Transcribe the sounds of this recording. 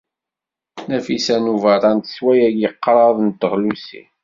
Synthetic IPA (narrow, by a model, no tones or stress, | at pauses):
næfisænuvɑɾˤɑnt̪swæjæɡiqːɾˤɑðˤnt̪ːəʁlusḭ